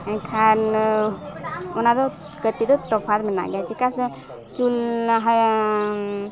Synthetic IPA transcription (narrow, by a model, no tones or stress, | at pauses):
ə̃kʰan | ɔnad̪ɔ | kət̪id̪ɔt̪ɔpʰad̪mɛna̰ɡat͡ʃʰikas | t͡ʃulɦa